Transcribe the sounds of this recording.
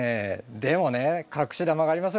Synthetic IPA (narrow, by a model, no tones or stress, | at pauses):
ed̪e̞mo̞ne̞kʰakɯ̟̥ɕid̪amaɡaːɾʲimas̬ɨ